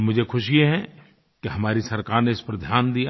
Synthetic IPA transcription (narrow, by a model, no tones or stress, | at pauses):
mʊd͡ʒʱekʰʊʃijeɦɛ̃ | keɦɐmaːɾisɐɾkaːɾneɪspɐɾd̪ʱjaːnd̪ija